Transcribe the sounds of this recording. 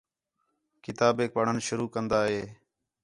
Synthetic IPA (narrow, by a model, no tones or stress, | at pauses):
kɪt̪aːbeːk̚pəɳ̤ənʃʊɾuːkənd̪aːɦeː